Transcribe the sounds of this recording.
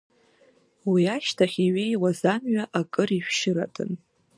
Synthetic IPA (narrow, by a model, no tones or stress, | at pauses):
wiaʃtʰaχʲiɥejwazamɥaʔakʼɨriʃʷᶣʃɪɾa̰tʰʼɨ̰n